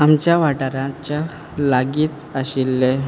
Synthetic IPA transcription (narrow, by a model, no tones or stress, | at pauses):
amt͡ɕjaʋaʈaɾãt͡ɕa | laɡiːt̪əɕilːe